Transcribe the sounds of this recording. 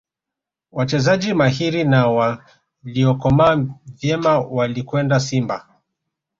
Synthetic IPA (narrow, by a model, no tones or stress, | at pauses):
wat͡ʃɛzad͡ʒimahiɾinawa | liɔkɔmavjɛmawalikwɛndasimba